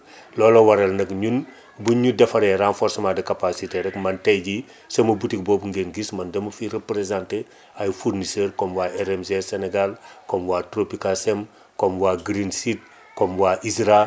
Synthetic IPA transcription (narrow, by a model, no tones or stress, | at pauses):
lɔːlowaɾɐlnɐkɲun | buɲudɐfɐɾeɾanfɔɾsmadɐkapasiteɾɛkmɐntejɟi | semɐbutik̚boːbuŋɡenɡismɐndɐmɐfiɾepɾezãnte | ajfuɾnisəɾkɔmwaʔeɾemzeseneɡalkomwatɾopikasem | komwaːɡɾinsit̚ | komwaʔisɾa